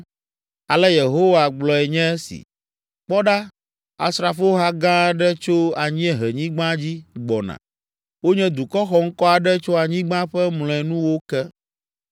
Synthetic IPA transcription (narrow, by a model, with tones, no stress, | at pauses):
a˨lɛ˦je˨ɦo˦wa˨ɡ͡blɔ˨ɛ˨ɲɛ̃˦sḭ˨ | k͡pɔ˦ɖa˦ | a̰˨sɾa˨fo˦ɦa˦ɡã˦ɖɛ˦t͡ʃo˦a˨ɲĩ˦ɛ˦ɦɛ˨ɲĩ˦ɡ͡bã˦d͡ʑi˦ɡ͡bɔ˨nã̰˨ | wo˦ɲɛ̃˦d̪u˨kɔ˦xɔ˦ŋ̩˦kɔ˦a˨ɖɛ˦t͡ʃo˦a˨ɲĩ˦ɡ͡bã˦ɸɛ˦mlɔ̃˨ɛ˨nũ˦wo˦kɛ˦